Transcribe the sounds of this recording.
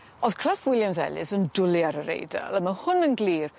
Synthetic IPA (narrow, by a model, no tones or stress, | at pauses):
ɔðkʰl̥afwɪljamsɛ̰lɨ̰səndʊlˠiaɾəɾḛjda̰lˠəməhʊnənɡliːr